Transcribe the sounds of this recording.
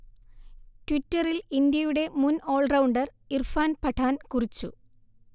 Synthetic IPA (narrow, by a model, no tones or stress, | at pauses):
twitːɐrilindjɐjuɽe̞muno̞ːɭrɐwɳɖɐr | irfaːnpɐʈʰaːnkurit͡ɕːṵ